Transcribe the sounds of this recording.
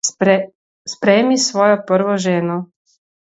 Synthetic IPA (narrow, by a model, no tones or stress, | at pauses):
spɾɛːmisʋɔːjɔpəɾʋɔʒeːnɔ